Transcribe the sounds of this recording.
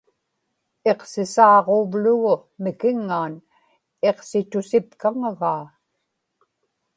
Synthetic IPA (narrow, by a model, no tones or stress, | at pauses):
e̞qsɪsɑːʁovlʊɣʊmɪkɪŋːaːn | e̞qsɪt̪ʊsɪpkaŋaɣaː